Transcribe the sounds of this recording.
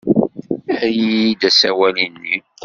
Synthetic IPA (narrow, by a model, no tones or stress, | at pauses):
æjid̪æsæwælinːi